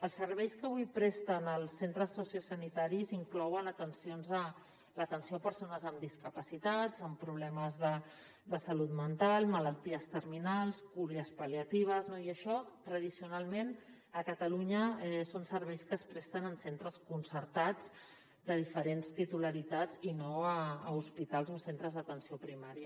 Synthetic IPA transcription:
əlˠsəɾβ̞ɛjskəβujpɾɛst̪ənəlˠsːent̪ɾəsːusjusənit̪aɾiziŋklɔwənət̪ənsionzə | lət̪ənsiopəɾsonəzəmd̪iskəpəsit̪ad͡zəmpɾuβlɛməzðə | d̪əsəlut̪mənt̪alˠmələlˠt̪iəst̪əɾminalˠskuɾiəspəliət̪iβ̞əznoiəʃɔt̪ɾəð̞isiunalˠmen | əkət̪əluɲəɛsonsəɾβɛjskəːspɾɛst̪ənənsent̪ɾəskunsəɾt̪ad͡z | d̪əðifəɾenst̪it̪uləɾit̪ad͡zinoəːuspit̪alˠzəmsent̪ɾəzðət̪ənsiopɾimaɾiə

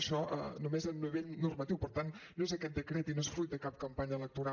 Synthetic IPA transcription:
ʃɔʔə̰numezəlˠniβeʎnurmət̪iwpəɾt̪anːoezəkɛt̪̚d̪əkɾet̪inoesfɾujt̪̚d̪əkap̚kəmpaɲəːlək̚t̪uɾa

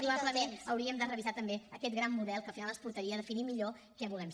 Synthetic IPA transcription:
pɾuβaβləmenəwɾiəmd̪ərəβizat̪əmbeəkɛt̪ɡɾamːmuðɛlˠkəfinalˠəspuɾt̪əɾiəðəfinimiʎo | kɛβulɛm

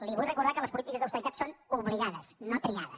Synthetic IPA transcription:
liβujrəkuɾðakələspulit̪ikəzðəwst̪əɾit̪at̪sonuβliɣaðəsnot̪ɾiɣaðə̰s

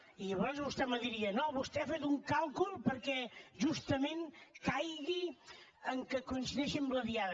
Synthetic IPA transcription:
iəβɔɾzβust̪ɛməðiɾiənoβust̪ɛfet̪uŋkalˠkulˠpəɾkɛʒust̪əmẽnkajɣiəŋkəkuinsiðɛʃimbləðia

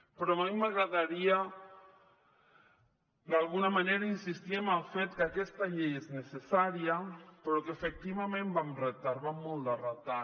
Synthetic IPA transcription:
pɾɔamimaɣɾaðaɾia | d̪alˠɣunamaneɾainsist̪iemalˠfet̪kakɛst̪aʎejeznesesaɾiapɾɔkefek̚t̪iβamẽmbamret̪aɾβamːɔlˠd̪arat̪a

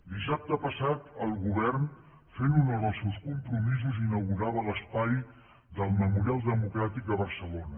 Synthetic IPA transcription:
d̪isap̚t̪əpəsat̪əlˠɣuβɛrn | fenunəðəlˠsewskumpɾumizuzinəwɣuɾaβələspaj | ðəlˠməmuɾialˠd̪əmukɾat̪ik̚d̪əβəɾsəlonə

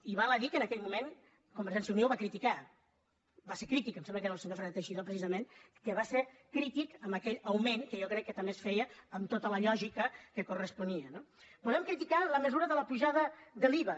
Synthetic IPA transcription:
iβaləðikənəkɛʎmumen | kumbəɾʒɛnsjiunewβakɾit̪ika | baseɾkɾit̪ikəmsɛmbləkeɾəlsəɲoɾfɾənt̪əʃiðopɾəsizəmen | kəβaseɾkɾit̪ikəmbəkɛʎəwmenkəjɔkɾɛkːət̪əmbesfɛjəːmt̪ot̪ələʎɔʒikəkəkurəspuniənob̥uðɛmkɾit̪ikaləməzuɾəðələpuʒaðəðəliβə

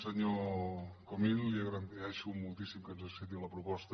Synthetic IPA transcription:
səɲo | komilliəɣɾənd̪ɛʃumulˠt̪isimkənzəset̪iləpɾupɔst̪ə

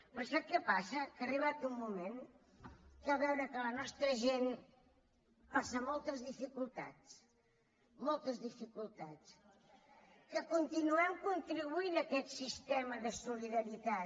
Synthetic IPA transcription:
pəsap̚kəpasəkəːriβat̪umːumen | kaβɛwɾəkələnɔst̪ɾəʒen | pasəmɔlˠt̪əzðifikulˠt̪a̰t͡s | mɔlˠt̪əzðifikulˠt̪at͡s | kəkunt̪inuɛmkunt̪ɾiβuinəkɛt̪sist̪ɛməðəsuliðəɾit̪a

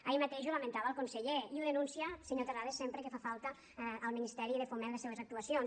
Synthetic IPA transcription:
aimat̪eʃulament̪aβəːlˠkunseʎeiuðenũnsiaseɲot̪eraðesempɾəkefafalˠt̪ə | əlˠminist̪ɛɾiðefomẽnlesːeβezak̚t̪uasions

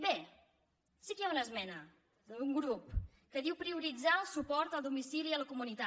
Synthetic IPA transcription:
be | sikəjaunəzmɛnə | d̪uŋɡɾup | kəðiwpɾiuɾid͡zaəlˠsupɔɾt̪əlˠd̪umisiliələkumunit̪a

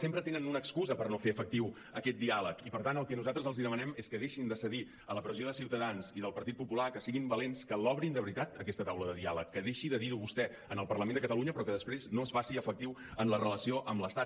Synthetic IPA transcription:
sempɾət̪enənunəkskuzəpərnofeəfək̚t̪iw | əkɛt̪̚d̪ialəkipəɾt̪anəlˠkɛnuzalˠt̪ɾəzəlˠziðəmənɛmeskəðeʃind̪əsəði | ələpɾəzjoðəsiwt̪əðanziðəlˠpəɾt̪it̪̚pupulakəsiɣimbəlenskəlɔβɾind̪əβɾit̪at̪əkɛst̪ət̪awləðəðialəkːəðeʃiðəðiɾuβust̪ɛ | ənəlˠpərləmend̪əkət̪əluɲəpɾɔkəðəspɾeznoəsfasiəfək̚t̪iwənlərələsioʔəmləst̪a

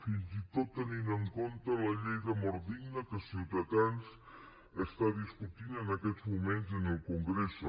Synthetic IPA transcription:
finzit̪ot̪ːəninəŋkont̪ələʎejðəmɔɾ̚d̪iɡnəkəsiwt̪əðanz | əst̪aðiskut̪inənəkɛd͡zmumenzənəlˠkuŋɡɾes

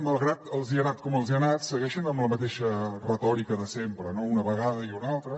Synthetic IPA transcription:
məlˠɣɾat̪əlˠziənat̪̚kɔməlˠziənat̪səɣɛʃənəmləmət̪eʃərət̪ɔɾikəðəsempɾənounəβəɣaðəiunalˠt̪ɾə

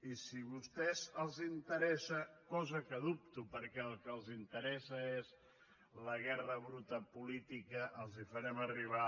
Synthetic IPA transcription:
isiβust̪ɛzəlˠzint̪əɾɛsəkɔzəkəðup̚t̪upəɾkɛəlˠkəlˠzint̪əɾɛsəez | ləɣ̞ɛrəβɾut̪əpulit̪ikəʔəlˠzifəɾɛməriβ̞a

